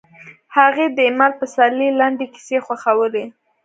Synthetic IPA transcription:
haɣed̪əɪmalpəsalilaɳɖeki̥sexwaxawəle

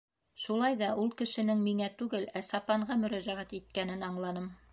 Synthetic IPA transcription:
ʃulˠɑjðɑʔulˠkɘ̆ʃɘ̆nɘŋmiŋæt̪ʉɡɘlæsɑpɑɴɢɑmɵ̆ɾæʒæʁæt̪it̪̚kænɘnɑɴlˠɑnɤm

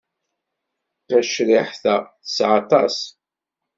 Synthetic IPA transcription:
θæʃɾiħθæθə̥sʕɑt̪ˤɑs

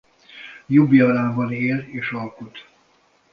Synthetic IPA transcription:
jubiɒɾaːbɒneːleːʃɒlkut̪

